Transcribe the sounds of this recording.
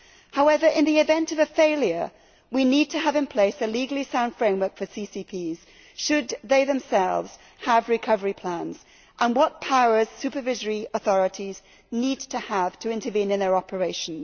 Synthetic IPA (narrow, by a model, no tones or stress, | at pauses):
haʊɛvə˞ʔɪ̃nðiɨvɛ̃ntʌvɨfeɪlˠjə˞ | winid̚tʰɨːvɨ̃npʰl̥eɪsɨliɡl̩ˠisãʊ̃nd̥fɹẽɪ̃mwɜ˞kfə˞sisipʰiz̥ | ʃɨd̪ðeɪðɨ̃msɛlˠvz̥ | həvɹɨkʰʌvə˞ipʰl̥æ̃nz̥ | ʔə̃nwʌt̚pʰaʊə˞z̥sʉpə˞vɪzə˞iəθɔɹɨɾiz | nid̚tʰɨəv̥tʰɨɪ̃ntəvĩnɨ̃nðə˞ɑpʰə˞eɪʃn̩